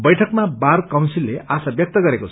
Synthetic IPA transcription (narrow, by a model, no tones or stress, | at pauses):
bʌjʈʰʌkmabarkaw̃nsilːeʔasabjʌk̚t̪ʌɡʌɾekoʌ